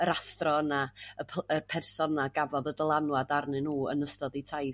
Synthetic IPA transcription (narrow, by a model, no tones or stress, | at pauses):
əɾaθrɔnaəpʰərpʰɛrsɔnaɡavɔðədəlˠanwadarnɪnuːə̰nəstɔditʰaj